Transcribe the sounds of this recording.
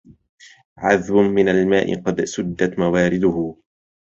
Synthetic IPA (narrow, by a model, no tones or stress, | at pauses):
ʕaðwʊnmɪnalmaːʔɪ̰qɑd̪sʊd̪ːat̪mawaːɾɪd̪ʊhʊ